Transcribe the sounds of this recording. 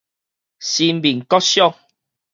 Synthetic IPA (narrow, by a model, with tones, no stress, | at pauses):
si˧mbi˨˩ŋkɔ˦t̚ɕjɔ˥˦˨ŋ̚